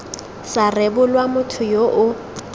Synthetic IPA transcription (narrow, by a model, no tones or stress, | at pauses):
sarɛbʊlwamʊtʰʊjoʔʊ